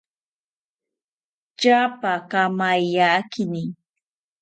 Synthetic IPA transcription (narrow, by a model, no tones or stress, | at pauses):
t͡ʃapakamajakʰɪnɪ